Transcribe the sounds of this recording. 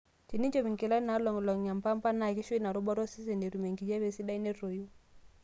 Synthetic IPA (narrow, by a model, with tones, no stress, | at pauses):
t͡ʃi˨ni˦ɲd͡ʒɔ˨βi˨ŋki˨la˦i˦na˨˦lɔ˨ŋ˨lɔ˨ŋɲa˨mpa˦mpa˦na˨ki˦ʃwi˦na˨ɾɔ˦bɔ˦ɾɔ˦si˦sɛ˨ne˨ɾu˨me˨ŋɡi˨d͡ʒa˦βe˨si˦ɗa˦i˦ne˦ɾo˨ju˦